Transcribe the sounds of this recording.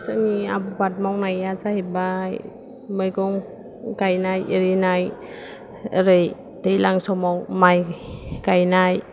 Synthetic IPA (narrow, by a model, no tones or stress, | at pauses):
saniabubat̚mawnajazahebaj | mɯjɡɔŋ | kajnajeɾinaj | ɾɯj | dejlaŋsɔmawmajkajnaj